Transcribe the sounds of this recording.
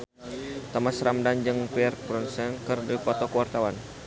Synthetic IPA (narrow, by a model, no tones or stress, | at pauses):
t̪amasɾamdand͡ʒɨŋpiɛrpɾɔnsɛnkɨrdipɔt̪ɔkəwart̪awan